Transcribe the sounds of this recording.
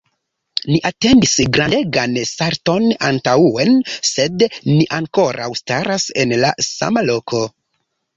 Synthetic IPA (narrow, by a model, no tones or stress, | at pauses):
niʔate̞ndisɡɾade̞ɡanstaɾto̞nantauense̞dniʔaŋko̞ɾʔa̰wstaɾase̞nla̰sa̰malokʰo̞